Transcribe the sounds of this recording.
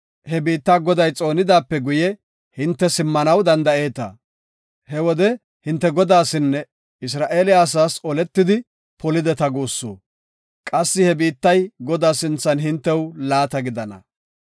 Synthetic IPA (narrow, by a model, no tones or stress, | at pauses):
hɛbiːt̪ːaːɡɔd̪ɐjt͡sʼo̞ːnɪd̪aːpːɛɡʊjɛ | hɪnt̪ːɛsɪmːɐnɐwd̪ɐnd̪ɐe̞ːt̪ɐ̰ | hɛwɔd̪ɛ | hɪnt̪ːɛɡɔd̪aːsɪnːɛ | ɪs̬ɾaːʔeːlɪjaːs̬aːsɔlɛt̪ːɪd̪ɪ | pɔlɪd̪ɛt̪ɐɡoːsːo̰ː | kʼɐsːɪhɛbiːt̪ːɐjɡɔd̪aːsɪnt͡sːɐnɦɪnt̪ːɛwlaːt̪ɐɡɪd̪ɐnɐ̰